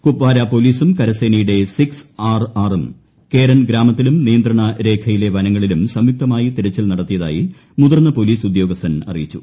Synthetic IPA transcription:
kupʋaːɾapo̞liːsumkɐɾɐseːnɐjuɽe̞siksaːraːrum | ke̞ːɾɐnɡɾaːmɐt̪ːilumnijɐnd̪ɾɐɳɐɾe̞ːkʰɐjile̞ʋɐnɐŋːɐɭilumsɐmjuk̚t̪ʰɐmaːjit̪iɾɐt͡ɕːilnɐɽɐt̪ːijɐða̰ːjḭ | muðɐrnɐpo̞liːsud̪jo̞ːɡɐst̪ʰːɐnɐ̰rḭjit͡ɕːu̥̰

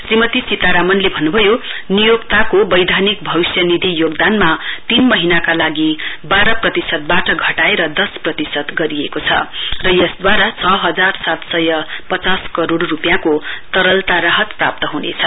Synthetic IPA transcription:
srimʌt̪isit̪aɾamʌnlebʱʌnːubʱʌjonijokt̪akobʌjd̪ʱanik̚bʱʌwisjʌnid̪ʱijoɡd̪anmat̪inmʌɦinakalaɡibaɾʌprʌt̪isʌt̪̚baʈʌɡʱʌʈaeɾʌd̪ʌsprʌt̪isʌt̪ɡʌɾiekot͡sʰʌ̰rʌjʌsd̪waɾat͡sʰʌɦʌd͡zarsat̪sʌjʌpʌt͡saskʌɾoɽrupjãkot̪ʌɾʌlt̪aɾaɦʌt̪prap̚t̪ʌɦunḛt͡sʰʌ

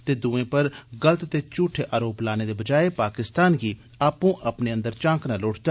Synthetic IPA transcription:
t̪eːd̪uːẽːpəɾɡələt̪t̪eːt͡ʃʊʈʰːeːʔaːɾoːplaːneːd̪eːbəd͡ʒaːepaːkɪst̪aːnɡiː | aːpũːʔəpneːə̃nd̪əɾt͡ʃãːknaːloːʈʰd̪a

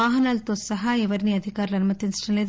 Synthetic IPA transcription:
aːɦɐnɐlt̪oːsɐɦɐiʋɐɾniɐd̪ʱikaːɾɐlɐnumɐt̪ːinʈɐnɐleːd̪

